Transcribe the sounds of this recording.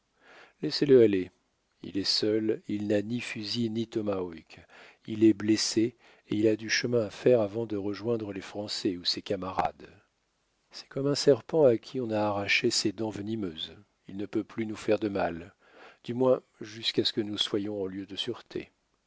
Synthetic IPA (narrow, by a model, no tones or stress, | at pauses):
lɛseləale | ḭlɛsœlilnanifyzinit̪ɔmaɔkʲilɛblese | ḛilad̪yʃəmɛ̃afɛʁavɑ̃d̪əʁəʒwɛ̃d̪ʁəlefχɑ̃sɛusekamaʁa̰d̪ | sɛ̥kɔmɛ̃sɛʁpɑ̃akʲʰiɔ̃naːʁaʃesed̪ɑ̃vənimøz | ilnəpøplynufɛʁd̪əmal | d̪̥ymwɛ̃ | ʒyskʲasə̥kənuswajɔ̃ɑ̃ljød̪əsyʁt̪ʰḛ